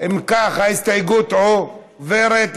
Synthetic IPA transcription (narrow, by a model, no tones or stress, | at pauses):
imkaχhaist̪ajɡut̪o | veɾet̪